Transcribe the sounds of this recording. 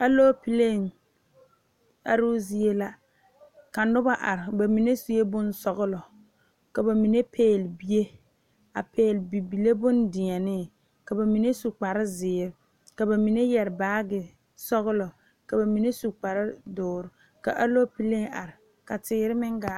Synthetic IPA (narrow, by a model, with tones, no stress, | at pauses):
a˦loː˦pi˦le˦˨ŋ | a˨ɾʊ˦zi˨e˦la˦ | ka˨nʊ˦ba˦ʔa˨ɾɪ˨ba˨mi˨ne˦si˨e˦bʊ˦nsɔ˨ɣʊ˦lɔ˨ | ka˨ba˨mi˨ne˦pʰeː˦˨lbi˦e˦ | a̰˨pʰeː˨lbi˨bi˨le˦bʊ˦ndɪ˨a˨nɪ˦ | ka˨ba˨mi˨ne˦su˨k͡pa˨ɾɪ˦zɪː˨˦ɾɪ˦ | ka˨ba˨mi˨ne˦jɛ˨ɾɪ˨baː˦ɡɪ˨ | sɔ˦ɣʊ˦lɔ˨ | ka˨ba˨mi˨ne˦su˨k͡pa˨ɾɪ˦dʊː˨ɾɪ˨ | ka̰˨ʔa˦loː˦pi˦le˦ŋa̰˨ɾɪ˨ | ka˨tɪː˦ɾɪ˦mɪ˦ŋɡa˨˦